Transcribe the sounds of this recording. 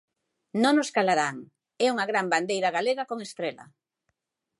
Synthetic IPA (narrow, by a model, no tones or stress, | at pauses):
nõŋnoskalaɾaŋ | ɛuŋaɣɾamband̪ejɾɐɣaleɣakoŋest̪ɾela̰